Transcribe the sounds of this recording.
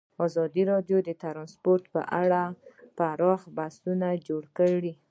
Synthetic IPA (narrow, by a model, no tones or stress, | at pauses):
ɑzɑd̪iɾɑdjod̪ət̪aɾɑnspoɾt̪pə̰ʔaɽapaɾɑxbasunad͡ʒoɽkəɽi